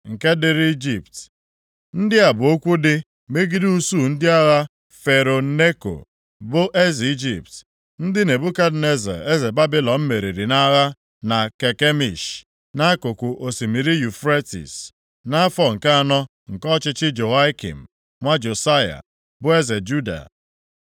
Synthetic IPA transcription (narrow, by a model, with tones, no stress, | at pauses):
ŋ̩˨ke˦dɪ˦˨ɾi˦d͡ʒi˨p̚t | n̩˦dɪ˦a˨bʊ˨o˦kʷu˦dɪ˦ | me˦ɡi˦du˦su˦˨n̩˦dɪ˦a˦ɣa˦ | fe˨ɾo˨ne˦ko̰˨ | bʊ˦ʔe˦zi˦d͡ʒi˨p̚t | n̩˦dɪ˦ne˨bʊ˦ka˦dne˦zḛ˨e˦ze˨ba˦bi˦lɔ˨m̩˦me˨ɾi˨ɾi˨na˦ɣa˦ | na˨ke˨ke˦mḭ˨ʃ | na˦a˦kʊ˨kʷʊ˨ʔo˨si˨mi˨ɾi˦ju˨fɾe˦tḭ˨s | na˦a˦fɔ˦ŋ̩˨ka˦a˦˨nɔ˦ | ŋ̩˨kɔ˦t͡ʃɪ˦t͡ʃɪ˦d͡ʒo˨a˦kḭ˨m̩˨ | ŋʷa˦d͡ʒo˨sa˦ja̰˨ | bʊ˦e˦ze˨d͡ʒu˦da̰˨